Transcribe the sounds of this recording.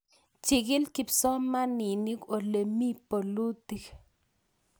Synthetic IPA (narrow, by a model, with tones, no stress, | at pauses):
t͡ʃi˨ɡi˦lki˨pso˦ma˦ni˨ni˦ko˨le˨mi˦po˨lu˦t̪i˨k